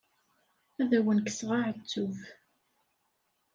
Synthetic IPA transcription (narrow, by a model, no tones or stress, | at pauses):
æðæwənkə̥sʁaʕət͡sːuv